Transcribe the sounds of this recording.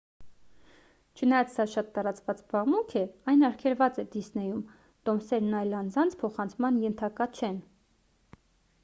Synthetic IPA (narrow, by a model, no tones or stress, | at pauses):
t͡ʃʰənɑjɑt͡ssɑʃɑt̪ːɑɾɑt͡svɑt͡sbɑʁmukʰɛɑjnɑɾkʰɛlvɑt͡sɛd̪isnɛjum | t̪ɔmsɛɾnɑjlɑnd͡zɑnt͡sʰpʰɔχɑnt͡sʰmɑnjɛnt̪ʰɑkɑt͡ʃʰɛn